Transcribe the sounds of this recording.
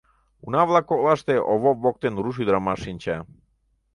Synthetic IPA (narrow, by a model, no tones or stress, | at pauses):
unavlˠakolaʃt̪ɛʔoʋobok̚t̪enɾuʃ̬id̪ɾamaʃinʲt͡ɕa